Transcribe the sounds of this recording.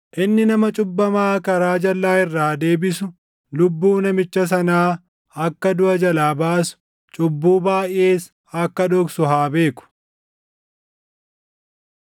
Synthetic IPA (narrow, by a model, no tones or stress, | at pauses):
ʔɪnːɪnɐmɐt͡ʃʼʊbːɐmaːkɐɾaːd͡ʒɐlːaːɪrːaːd̪e̞ːbɪsʊ | lʊbːuːnɐmɪt͡ʃːɐs̬ɐnaː | ɐkːɐd̪ʊʔɐd͡ʒɐlaːbaːsʊ̥ | t͡ʃʼʊbːuːbaːjʔeːs | ɐkːɐd̪ɔksʊɦaːbe̞ːkʊ̥